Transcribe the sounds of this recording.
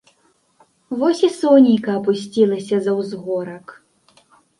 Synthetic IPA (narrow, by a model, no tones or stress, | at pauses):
vɔsʲisɔnʲikɐːpusʲt͡sʲilˠɐsʲɐzɐwzɣɔɾɐk